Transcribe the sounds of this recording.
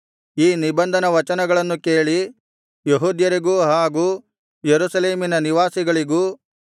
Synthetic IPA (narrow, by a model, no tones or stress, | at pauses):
iːnibɐnd̪ʱɐnɐʋɐt͡ʃɐnɐɡɐɭɐnːuke̞ːɭi | jeɦuːd̪jɐɾiɡuːɦaːɡuː | jeɾusɐleːminɐniʋaːsiɡɐɭiɡuː